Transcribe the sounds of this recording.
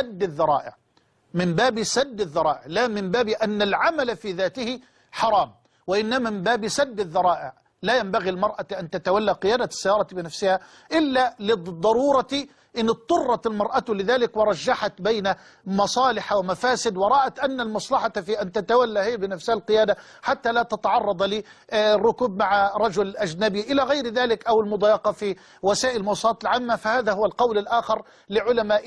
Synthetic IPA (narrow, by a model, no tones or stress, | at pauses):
ad̪ːɪðːɑɾˤɑ̰ːʔɪ̰ʕ | mɪmbaːbisad̪ːɪðːɑɾˤɑːʔɪʕlaːmɪmbaːbiʔanːalʕamalfiːðaːt̪ɪhɪ | ħɑɾˤɑːm | wɪʔɪnːamaːmɪmbaːbisad̪ːɪðːɑɾˤɑːʔɪ̰ʕ | laːjambaɣilmɑɾˤʔaʔant̪at̪awalːaqɪjaːd̪asːajɑːɾˤɑbɪnafsɪha | ʔɪlːalɪd̪ˤːɑɾˤuːɾˤɑt̪ | ʔɪnːɨt̪ˤːʊrˤːɑt̪ɪlmɑɾˤʔat̪lɪðaːlɪkwɪɾˤɑʒːaħat̪bajna | mɑsˤɑːlɪħawɪmafaːsɪd̪wɑɾˤɑːʔat̪ʔanːalmɑsˤlɑħat̪fiːʔant̪at̪awalːahɪjːbɪnafshalqɪjaːd̪a | ħat̪ːalaːt̪at̪aʕɑrˤːɑd̪ˤliːrˤːʊkuːb̚maʕaɾˤɑd͡ʒʊlʔad͡ʒnabiʔɪlaɣajɾðaːlɪkʔawɪlmʊd̪ˤɑːjɑqɑfi | wɪsaːʔɪlmʊwɑsˤɑlɑːt̪ɪlʕaːmːafahaːðahʊwalqɑwlɪlʔaːxɑɾ | lɪʕʊlamaːʔ